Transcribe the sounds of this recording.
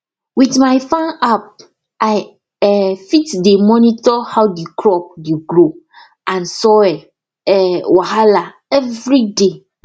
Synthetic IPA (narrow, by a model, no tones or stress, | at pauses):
wiθmaɪfãnap̚ | aj | ɛfitdemɔ̃nitɔhawdekʰɾɔp̚deɡɾo | ãnsɔɛ | ɛwɔhala | ɛvɾide